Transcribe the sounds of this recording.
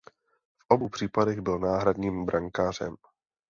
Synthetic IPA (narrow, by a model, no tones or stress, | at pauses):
fʔobuːpr̥iːpadɛɣbɪlnaːɦɾadɲiːmbɾʔaŋkaːr̝ɛ̰m